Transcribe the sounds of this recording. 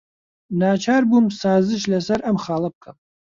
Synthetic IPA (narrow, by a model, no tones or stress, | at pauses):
naːt͡ʃʰaːɾbumsaːzɨʃ̬lɐsɐɾʔɐmχaːlˠɐp̚kʰɐm